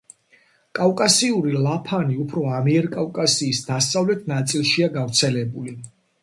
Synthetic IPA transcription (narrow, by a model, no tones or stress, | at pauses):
kʼavkʼasiuɾilˠapʰaniupʰɾɔamiɛɾkʼavkʼasiːsd̪asavlɛt̪ʰnat̪sʼilˠʃiaɡavɾt̪sʰɛlɛbuli